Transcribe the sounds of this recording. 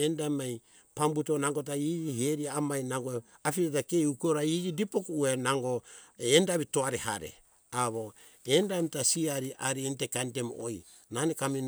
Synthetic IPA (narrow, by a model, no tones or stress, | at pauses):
endamaj | pambutonaŋɡot̬aiɡiheɾiaːmajnaŋɡo | afiɾetakeukoɾaiɡidipokuuenaŋɡoendaβitoaɾeɦa̰ɾḛ | aβo | endamtasiaɾiʔaɾientekantemoj | nanekami